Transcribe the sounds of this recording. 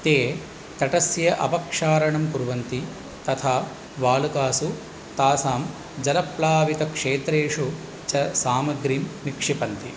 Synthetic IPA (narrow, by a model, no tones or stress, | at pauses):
t̪eː | t̪ɐʈɐsjɐʔɐ̰pɐkʂaːɾɐɳɐmkuɾʋɐnt̪i | t̪ɐt̪ʰaː | ʋaːlukaːsu | t̪aːsaːm | d͡ʒɐlɐplaːʋik̪ɐkʂeːt̪ɾeːʂu | t͡ʃɐsaːmɐɡɾimnikʂipɐnt̪i